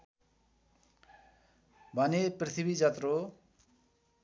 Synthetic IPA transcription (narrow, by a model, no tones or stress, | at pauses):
bʱʌneprit̪ʰibid͡zat̪ro